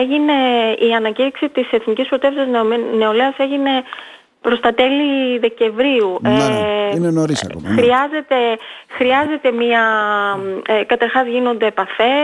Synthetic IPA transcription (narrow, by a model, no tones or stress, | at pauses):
eʝine̞iɐnɐciɾiksit̪ise̞θnicispɾot̪e̞fi̥sɐzne̞o̞leɐse̞ʝine̞ | pɾo̞st̪ɐt̪e̞liðe̞ce̞ɱvɾiueinenoɾisxɾiɐze̞t̪e̞xɾiɐze̞t̪e̞miɐ | ekɐt̪ɐɾxɐzʝino̞nd̪e̞pɐθe̞